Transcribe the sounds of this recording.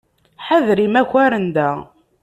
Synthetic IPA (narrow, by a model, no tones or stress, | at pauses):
ħəðɾimæçæɾənd̪æ